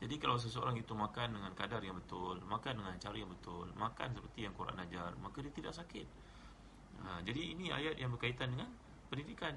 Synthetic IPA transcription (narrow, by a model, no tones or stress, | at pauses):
d͡ʒadikalaws̬əs̬əo̰ɾaŋit̪umãkandəŋankadarjaŋbət̪ʊlmãkandəŋant͡ʃaɾijaŋbət̪ʊlmãka̰nsəpərt̪ijaŋkuɾʔa̰nad͡ʒarmakadiat̪ida̰ʔsakɪt̪̚ | əd͡ʒadiːnia̰jat̪̚jaŋbərkait̪andəŋan | pəndidikan